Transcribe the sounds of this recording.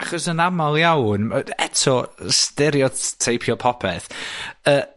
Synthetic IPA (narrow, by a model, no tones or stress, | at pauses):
aχɔsənamalˠjawnəɛ̰tʰɔstɛɾjɔtʰejpʰjɔpʰɔpʰɛθəː